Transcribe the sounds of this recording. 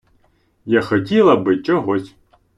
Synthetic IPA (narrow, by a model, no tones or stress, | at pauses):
jaxɔtʲilˠɐbɪt͡ʃɔɦɔsʲ